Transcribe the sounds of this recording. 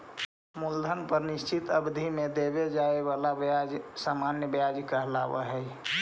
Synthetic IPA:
muld̪ʱənpəɾnɪst͡ʃit̪əbd̪ʱimed̪ebed͡ʒaeβalabad͡ʒsamanjəbjad͡ʒkəɦlaʋə̰ɦɛi

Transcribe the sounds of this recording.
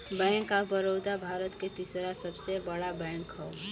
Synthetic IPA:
bɛ̃ŋkabəɾoːd̪abʱaːɾət̪ket̪isɾasəbsebəɽabɛ̃ŋkɦɔ

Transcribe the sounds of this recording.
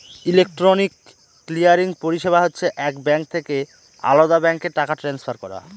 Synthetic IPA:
ilek̚ʈɾonikː | lijaɾiŋpoɾiʃeβaɦotːɕʰeʔɛkbɛŋk̚t̪ʰeke | a̰lod̪abɛŋkeʈakaʈɾɛnsfʰaɾkɔɾa̰

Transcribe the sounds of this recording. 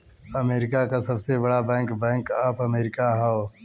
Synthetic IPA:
ɐmeːɾɪkakasɐbsebɐɽabɛ̃ːŋkbɛ̃ːŋkaːpɐmeːɾɪkaɦɛo

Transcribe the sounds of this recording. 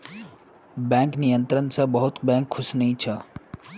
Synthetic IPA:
bɛ̃ːŋknijə̃nt̪ɾənsabɐɦʊt̪bɛ̃ːŋkʰːʊsnəɦĩt͡ʃʰa

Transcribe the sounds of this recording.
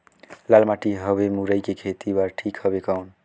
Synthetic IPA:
lalmaʈiɦəβemuɾəjkekʰet̪ibaɾʈʰikhʌbekaun

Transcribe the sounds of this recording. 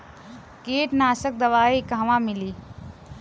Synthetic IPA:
keːʈnaːsək̚d̪ɐʋaːikaːʋãmɪliː

